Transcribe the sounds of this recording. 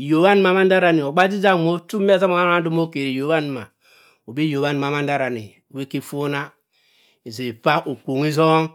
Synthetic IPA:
jo˨wa˦n˦ma˨ma˦n˦da˦ɾa˨ni˨o˨ɡ͡ba˦d͡ʒi˦d͡ʒa˦˨mo˦tu˦m˦a˦za˦mo˨˦a˦a˦du˦mo˦ke˨ɾi˨jo˨βa˦n˨ma˨ | o˨bi˦jo˨βa˦n˨ma˨ma˦n˦da˦ɾa˨nḭ˨we˦ki˦fo˦na˦ | i˨ze˨pa˦ʔo˨k͡po˨ŋi˦zo˦ŋ

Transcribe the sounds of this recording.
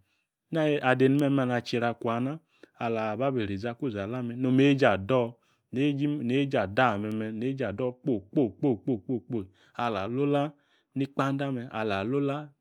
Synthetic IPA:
na˦˨ʔa˨de˨nu˨mɛ˧ma˧˨na˧˨t͡ʃi˧ɾa˧kwa˨na˦ | a˨la˨ba˦be˨ɾi˨za˧ku˦˨za˨la˦mɛ˧no˧me˨˦d͡ʒa˨dɔ˦˨ | ne˦ne˦d͡ʒa˨da˦˨mɛ˨˧mɛ˧ne˦d͡ʒa˨dɔ˦˨k͡po˦˨k͡po˦˨k͡po˦˨k͡po˦˨k͡po˦˨k͡po˦˨ | a˨la˨lo˦la˦ | ni˦k͡pa˦n˦da˦mɛ˧a̰˨la˨lo˦la˦

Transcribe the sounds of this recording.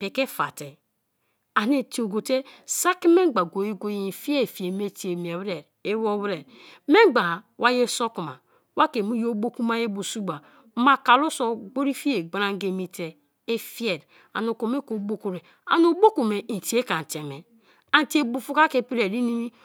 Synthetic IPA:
pe˨ke˦fa̰˨te˨ | a˨ne˨ti˨o˨ɡo˨te˦sa˦ki˦me˦˨ɡ͡ba˨ɡo˨je˦ɡo˦ji˦˨fi˦e˦˨fi˨e˨me˦ti˨e˨m˨e˨βɾe˨ɾ | e˦wo˦βɾe˨ɾ | me˦ɡ͡ba˨wʔa˦je˦so˦ku˨ma˨ | wa˦ke˨mu˦jo˦bo˦ku˦ma˦e˦bu˨su˦ɡ͡ba˨˦ | ma˨ka˨lo˦so˦ɡ͡bo˦ɾi˦fi˦e˨ɡ͡ba˦ɾa˦ŋ˦ɡe˨mi˨te˨ | e˦fi˦e˨ɾ | a̰˨no˨ko˨me˦ko˨˦bo˦ku˨ɾe˨ | a̰˨no˨˦bo˦ku˨me˨ti˨˦e˦ka˨n̩˨te˨me˨ | a˨n˨ti˦e˨bu˨fu˦ka˦ke˨pi˦ɾe˨ɾi˦ni˦mi˦

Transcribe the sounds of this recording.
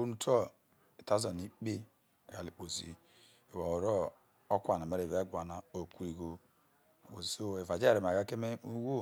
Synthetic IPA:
u˦nu˦to˦ | e˨ta˦zɔ˨ni˦k͡pe˦˨ | ɡa˨li˨k͡po˨zi˨ | e˨wa˨wo˨ɾo˦ | o˦kʷa˨na˨me˨ɾe˨ve˦ɡʷa˨na˨o˨ku˨ɾi˨ɡo˨ | wo˨so˦e˨va˨d͡ʒe˦˨ɾe˨m˨a˨ɣa˦ke˦me˦u˦wo˦˨

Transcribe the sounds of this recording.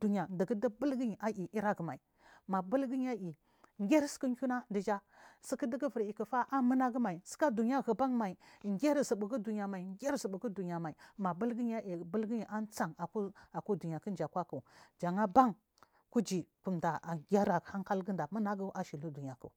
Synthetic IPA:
d̥u˨ɲa˨ndə˨ɡə˦də˦bə˦lɡə˦ɲi˨ʔa˨ʔi˨ʔi˦ɾa˦ɡə˨ma˨i˨ | ma˨bu˦lɡə˦ɲ˦a˦ʔi˨ | ŋ˦ɡʲe˦ɾsə̥˦kə˦ŋ˦kʲu˦na˦ndə˨d͡ʒa˦ | si˦kə˦də˦ɡə˦və˨ɾi˨kə˨fa˦ʔa˦mə˦na˦ɡə˦ma˨i˨sə̥˦ka˦du˨ɲ˦a˦ɣə˨ba˦ŋma˨i˨ŋɡʲe˦ɾsə˨bə˨ɡə˦du˨ɲ˨a˨ma˨i˨ŋ˦ɡʲe˦ɾsə˨bu˨ɡu˦du˨ɲ˨a˨ma˨i˨ma˨bə˦lɡə˦ɲ˦a˦ʔi˨bə˦lɡə˦i˨ʔa˦nt͡sa˨ŋa˨ku˦a˨ko˦du˨ɲ˨a˨kə˦n˦d͡ʒa˨kʷa˦kə˨d͡ʒa˨ŋa˦ba˦ŋ | ku˦d͡ʒi˨ku˨mda˨a˨ɡʲa˦ɾa˨a˦ŋka˦lɡə˦nda˨mə˦na˦ɡə˦ʔa˨ʃi˨lu˦du˨ɲ˨a˨kə̰˨

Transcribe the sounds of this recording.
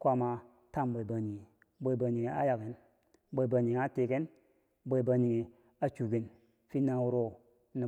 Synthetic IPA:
kʷa˦ma˨ | ta˦˨mbo˨ba˨ɲi˨ŋi˨ | bo˨i˨ba˨ɲi˨ŋi˨a˦ja˨ke˨n | bo˨i˨ba˨ɲi˨ŋ˨a˦te˨ke˦n | bo˨i˨ba˨ɲi˨ŋi˨ | a˨t͡ʃu˨ɡi˨n | fi˦na˦wu˦ɾo˦ | ni˨

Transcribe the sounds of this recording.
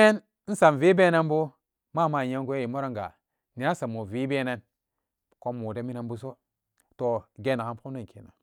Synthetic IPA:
e˦n | n̩˦sa˨nvi˦be˦na˦nbu˦ | ma˦˨ma˨e˦ŋ˦ɡu˦ji˨mo˦ɾa˦ŋɡa̰˨ | ni˨a˦sa˨mo˨vi˦be˦ne˦n | ko˦mu˨de˦mi˦na˨nbu˦so˦ | to˨ɡe˦na˨ka˦mpu˦na˦˨kʰḛ˨na̰˨

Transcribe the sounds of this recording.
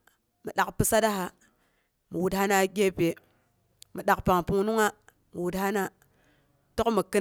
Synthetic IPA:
mi˨ɗa˨kpɨ˦sa˦da˦ɦa˨ | mu˨wu˨tha˦na˦ɡʲe˦pe˨ | mi˨ɗa˨kpa˨ŋpu˦ŋnu˦ŋa˦ | mi˨wu˨tha˦na˦ | to˦kmi˨kɨ˦

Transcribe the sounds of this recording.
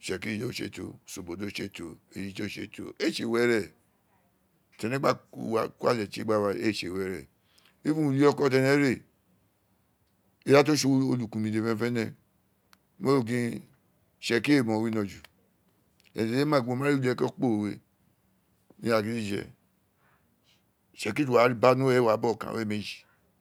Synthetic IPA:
ʃɛ˨ki˦i˨o˦ʃḛ˦˨to̰˧so˨bo˨do˦ʃe˦˨to˨e˨ji˨˦to˦ʃḛ˧˨to̰˨e˦˨ʃe˨wɛ˦ɾɛ˦˨ | tɛ˨nɛ˦ɡ͡ba˦u˦˨wa˨ku˦a̰˦˨lɛ˨t͡ʃḛ˦ɡ͡ba˦˨wa˧ḛ˦˨ʃe˨wɛ˨˦ɾɛ˨ | i˦fũ˦˨li˦ɔ˧kɔ˦t̬ɛ˧nɛ̃˦ɾe˦˨ | i˨˦ɾa˦t̬o˦ʃo˧o˧lu˨kũ˨mĩ˨de˨fɛ̃˦˧˦fɛ˦nɛ̃˧˦ | mo˦o˦˨ɡĩ˧˦ | ʃɛ˨ki˦e˦˨mɔ̃˨wi˦nɔ̃˧˨d͡ʒu˨ | ɛ̰˨e˨e˦mã˦˨õ˧˨mã˦i˦lɛ˦kɔ˦k͡po˦˨we˧ | nḭ̃˦a˨ɡĩ˦di˦ʃɛ̰˧ | ʃɛ˨k̬i˦tu˨wa˨˦ɾba˦nũ˦ɛ˦wa˨˦bɔ˦˨kã̰˨wɛ˦me˨d͡ʒi̥˨

